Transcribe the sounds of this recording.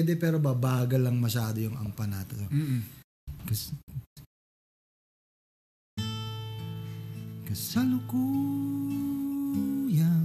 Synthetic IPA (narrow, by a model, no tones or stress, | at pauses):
d̪ɛpɛːɾobɐbaːɡɐlɐŋmɐʃaːd̪ojʊŋɐŋpɐnaːt̪oo | kɐs | kɐsɐlʊko | ja